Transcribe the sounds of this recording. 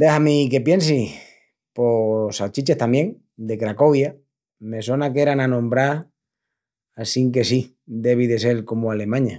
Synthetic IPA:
d̪ehamike̞pje̞nsi | po̞sat͡ʃit͡ʃe̞ht̪amje̞ŋ | d̪e̞kɾako̞βja | me̞so̞nake̞ɾananõmbɾa | asiŋke̞si | d̪e̞β̞iðe̞se̞lko̞moale̞mãɲa

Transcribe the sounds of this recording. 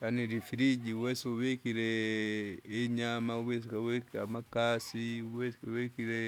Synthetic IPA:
janiɾifiɾid͡ʒiuwɛsuwɛkiɾɛ | ɛɲamauwɛsikawɛkiamakasiuwɛskwɛkiɾɛ

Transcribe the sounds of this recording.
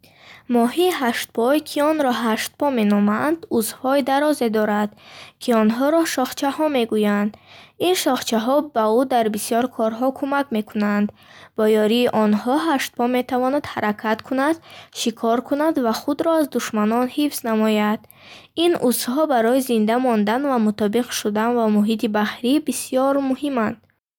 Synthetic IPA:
mɔɦiːɦaʃt̪̚pʰɔjkʰiɔnɾɔɦaʃt̪̚pɔme̞nɔmand̪uzhɔid̪aɾɔze̞d̪ɔɾad̪̥kʰiɔnɦɔɾɔʃɔχt͡ʃʰahɔme̞ɡujand̪inʃɔχt͡ʃʰaɦɔbaud̪aɾbisijɔɾkʰɔɾɦɔkʰumakme̞kʰunand̪ | b̥ɔjɔɾiːʔɔnhɔɦaʃt̪̚pɔme̞t̪ʰavɔnad̪haɾakʰat̪kʰunad̪ʃikʰɔɾkʰunad̪vaχud̪ɾɔazd̪uʃmanɔnhifz̥namɔjad̪ | inʔusɦɔbaɾɔizind̪amɔnd̪anvamut̪ʰɔbiqʃud̪anvamuɦit̪ʰibaχɾibisijɔɾmuhimand̪

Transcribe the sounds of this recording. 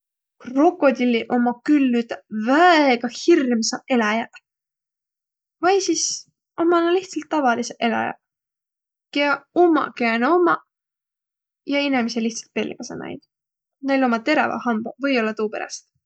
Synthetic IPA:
ro̞kːˑo̞d̪ʲilːiʔo̞mɑkylːyt̪ɑvæeɡ̥ɑhirmsɑe̞lɑjɑ | vɑjsis | ʔomɑnɑliht̪sɑlt̪ːɑvɑliseʔe̞lɑ̰jɑ̰ | keɑomɑ̰keɑneomɑ | jɑinemiseliht̪sɑ̥lt̪̚pe̞lʲːḭmɑsḛnæ̰j̰d̪̥ | nejlo̞mɑt̪e̞ɾɑvɑ̰hɑmbɑvɤjo̞lːɑt̪uːpe̞ɾɑ̰st̪

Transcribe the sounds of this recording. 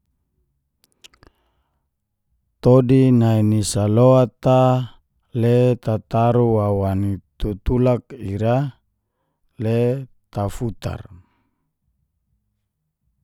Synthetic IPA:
t̪odinainisaloat̪a | let̪at̪aɾuwawanit̪ut̪ulakiɾa | let̪afut̪a̰r

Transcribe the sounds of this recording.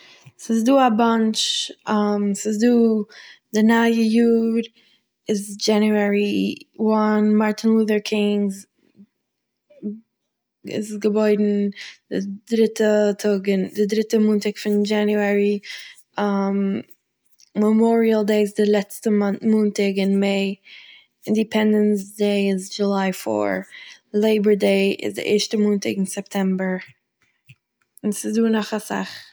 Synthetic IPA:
sɪzduːabant͡ʃamsɪzduːdənajəjuːɾ | ɪzd͡ʒɛnjuɛɹiwɔnmaɹtʰɪnluːðəɹkʰɪ̃nz | ɪ̰zɡəbɔɪdn̩d̥ɪdɾɪtʰətʰʊɡɪndɪdɾɪtəmuːntɪkfɪnd͡ʒanjuaɾi | am | məmɔɾiəlˠdeɪɪsdɪlˠɛt͡stəmmuːntɪɡɪnmeɪ | ɪndipʰɛndənsdeɪɪzd͡ʒulaɪfɔ̰ɹlˠeɪbəɹdeɪɪ̰zdɪ̰ʔɛ̰ːɹʃtəmuːntɪ̰ɡɪnsɛp̚tʰɛmbəɹ | ɪnsɪzduːnɔχasa̰χ

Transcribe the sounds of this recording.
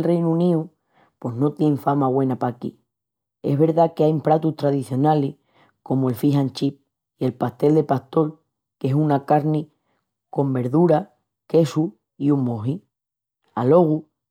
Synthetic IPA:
lre̞jnuuniu | pwo̞ɦno̞t̪jeɱfamaɣwe̞napakḭ | e̞̰ɦβe̞ɾðakeajmpɾat̪uht̪ɾað̞iθjo̞nalih | ko̞moe̞lfiɦant͡ʃip̚ | ie̞lpaht̪e̞ld̪e̞paht̪o̞l | ke̞sunakaɾni | ko̞mbe̞ɾðuɾa | ke̞su | iummoɦi | alo̞ɣ̞u

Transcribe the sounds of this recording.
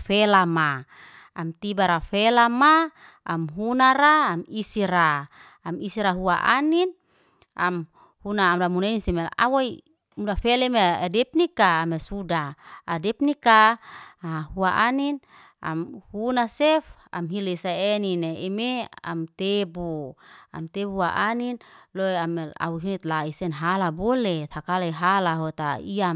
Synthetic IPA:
fɛlama | amt̪ibaɾafɛlama | amɦunaɾaːmisiɾaː | misiɾaɦuaʔa̰nin | am | hunaːmlamunenisemea̰wai | mudafɛlemeadɛp̚nikaːmesudaːdɛpnikaahuaʔanin | ʔa̰mhunasef | a̰mɦilesaenineemea̰mt̪ebua̰mt̪ebuaʔaninloeamea̰wuɦinit̪laisenɦalabolet̪ʰhakalaiɦalaɦot̪aiam

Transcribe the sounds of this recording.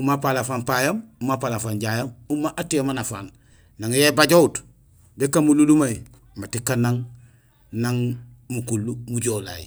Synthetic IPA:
umapalafampajamumapalafanɟajamumaʔatiamanafaːn | naŋjebaɟout | dekamululumai | matikanaŋ | naŋ | mukulːumuɟola̰jḭ

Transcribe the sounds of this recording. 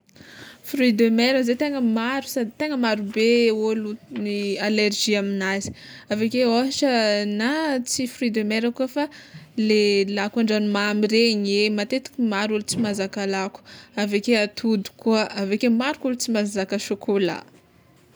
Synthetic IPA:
frid̪ømɛɾəzet̪eŋəmaɾu̥sad̪it̪eŋəmaɾubeolunialerʒiaminazi̥ | avekeoʃənat͡sifrid̪emɛɾəkuəfalelakaɳɖ͡ʐanumamiɾeɲemat̪et̪i̥kʲimaɾulut͡simazakalaku̥avekeat̪ʰud̪u̥kuəavekemaɾukulut͡simazakəʃukʰula̰

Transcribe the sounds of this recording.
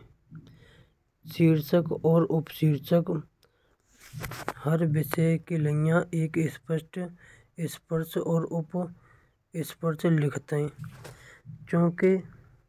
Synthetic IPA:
siːɾt͡ʃəkɔːɾʊpsiːɾt͡ʃək | həɾbɪsekiləjãʔeːkɪspəʃʈ | ɪspəɾt͡ʃɔːɾʊp | ɪspəɾt͡ʃlɪkʰt̪eɦɛ̃ː | t͡ʃjõːke

